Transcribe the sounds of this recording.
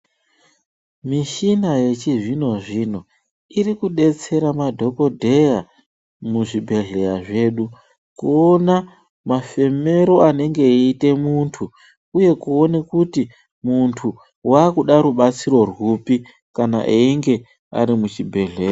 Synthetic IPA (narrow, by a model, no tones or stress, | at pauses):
miʃinaje̞t͡ʃiʐino̞ʐino̞ | irikuɗe̞t͡se̞ɾamadʱo̞ko̞dʱe̞ja | muʐibʱe̞ɮe̞ɾaʐe̞ːɗu | kuona | mafe̞me̞ɾo̞ane̞ŋɡe̞ite̞muntʰu | uje̞kuo̞nekuti | muntʰu | waːkuɗaɾuɓat͡siɾo̞rwupi | kana̰ʔeiŋɡe̞ | a̰ɾimut͡ʃibʱe̞ɮe̞ːra